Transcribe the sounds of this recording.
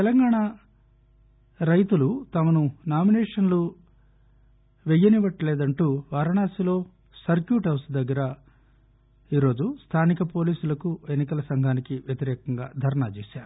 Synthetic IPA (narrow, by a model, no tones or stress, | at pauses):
t̪ɛlɐŋɡaːɳa | ɾɐjt̪ulut̪ɐmɐnunaːminɛːʂɐnlu | ʋejːɐniʋɐʈːleːd̪ɐɳʈuːʋaːɾɐɳaːsilo̞ː | sɐɾkjuːʈɦɐwsd̪ɐɡːɐɾɐ | iːɾo̞ːd͡ʒust̪ʰaːnikɐpo̞ːliːsulɐkue̞nːikɐlɐsɐŋɡʱaːnikiʋjɐt̪iɾɛːkɐŋɡa̰ːd̪ʱɐɾɐɳat͡ʃeːʃaːɾu